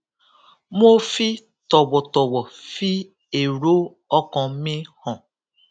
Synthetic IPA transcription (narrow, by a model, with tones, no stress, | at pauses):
mo˦fi˦ | tɔ˨wɔ˨tɔ˨wɔ˨fi˦ | e˨ɾo˦ | ɔ˦kɔ̃˧mĩ˦hɔ̃˨